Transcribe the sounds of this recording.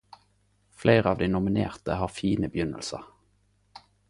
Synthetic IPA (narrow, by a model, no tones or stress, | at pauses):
fleɪʁəɑːʋd̪iːnʊmɪnḛːʁt̪əhɑːʁfiːnəbjʏnə̰lsə̰ʁ